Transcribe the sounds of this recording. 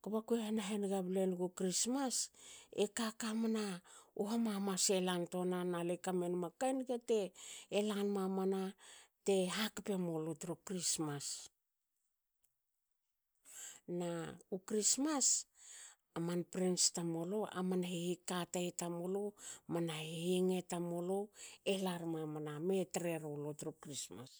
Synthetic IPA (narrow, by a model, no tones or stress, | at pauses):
kabakuehenaɦenɡablenɡukɾismasḛkakamanaoɦamamase̞lanto̞nanalekamenmakajnɡete̞ːlanmamanate̞ɦakpe̞molotɾukɾismas | naukɾismas | amanpɾinstamo̞lo̞ʔa̰manahehikataetamo̞lomanahejeŋe̞tamo̞loelaɾmamaname̞tɾe̞ɾolotɾukɾisma̰s